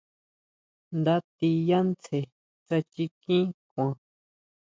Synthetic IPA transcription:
nd̪a˧t̪i˧ja˦nt͡se˧ | t͡sa˧t͡ʃi˧kĩ˦kʷã˧

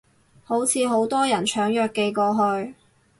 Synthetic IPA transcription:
ho˨˥wt͡sʰiː˨˧ɦo˨˥wt̪ɔː˥jɐ˨˩nt͡ʃʰœː˨˥ŋjœː˨kːe˧jkɔː˧ɦɵ˧ɥ

